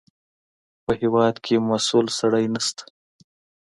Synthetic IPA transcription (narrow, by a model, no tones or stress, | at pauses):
pəhɪwɑd̪kʰemasulsaɽəjnast̪ḁ